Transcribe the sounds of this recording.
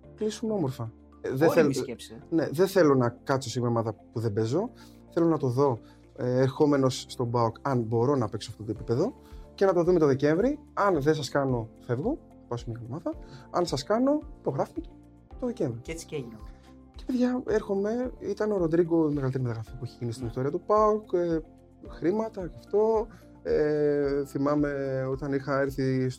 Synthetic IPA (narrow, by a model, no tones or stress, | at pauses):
klisumeo̞mo̞ɾfɐ | ðeθelsne̞ðeθe̞lonɐkɐt̪t͡so̞siɣmomɐðɐpuðe̞be̞zo̞ | θe̞lo̞nɐt̪o̞ðo̞ | eɾxo̞me̞no̞sːt̪o̞bɐukɐnbo̞ɾo̞nɐpe̞ksoɐft̪ot̪opipeðo̞ | ce̞nɐt̪o̞ðume̞t̪oðece̞ɱvɾiɐnðesɐskɐno̞fe̞vɣo̞ | pɐsmiɐmɐðɐɐ̰nsɐskɐno̞i̥po̞ɣɾɐfnice̥ | t̪o̞ðece̞ɱvɾiet͡si̥ein | cepeðʝɐeɾxo̞me̞it̪ɐneo̞ɾod̪ɾiɡo̞meɣɐlit̪eɾimt̪ɐɣɾɐfiɐpueçeʝinist̪inist̪o̞ɾiɐt̪upɐuke | xɾimɐt̪ɐɐft̪o̞ | eθimɐme̞o̞t̪ɐnixɐe̞ɾθis